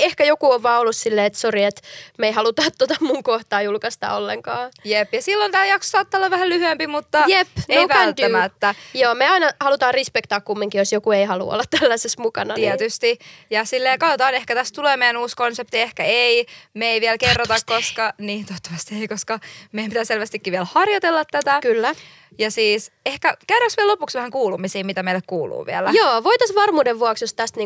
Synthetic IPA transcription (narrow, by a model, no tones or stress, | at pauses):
ehkæjokuoʋʋɑːolːussilːeːet̪soriet̪meihɑlut̪ɑːt̪ːot̪ɑmmuŋkoht̪ɑːjulkɑst̪ɑ̰ːolːeŋkɑːjepjɑsilːont̪æːjɑkso̥sɑːt̪ːɑolːɑʋʋæhællyhyempimut̪ːɑjepneoʋæælt̪ːæːmæt̪ːæjoːmeɑinɑhɑlut̪ɑːrispekt̪ɑːkkumːiŋkijosjokueihɑlṵo̰lːɑt̪t̪ælːæsesmukɑnɑniɛt̪yst̪ijɑsilːeːkɑd̪ot̪ɑːnehkæt̪æst̪uleːmejænuːskonsep̚t̪iehkæeimeeiʋielkerːot̪ɑkkoskɑniːt̪oːt̪ːɑ̥ʋɑst̪ieikoskɑmeijæmpit̪æselʋæst̪ikːiʋielhɑrjot̪elːɑt̪t̪æt̪ækylːæ | jɑsiːsehkækerɑksʋiɛlopuksʋæhæŋkuːlumisiːmit̪æmeilekkuːlṵːʋḭelæjoːʋoit̪ɑsʋɑrmuːdeʋʋːuɑksjost̪æst̪niː